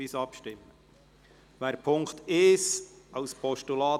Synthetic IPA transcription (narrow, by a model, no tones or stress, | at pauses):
isɑpʃtɪmːə | ʋæːɾpʰʊŋkt̪ɪsɑʊspʰɔʃtulɑː